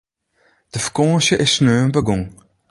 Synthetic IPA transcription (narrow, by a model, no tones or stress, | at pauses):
d̪̥əfkɔ̃ːʃəʔɪsnøːmbəɡʊŋ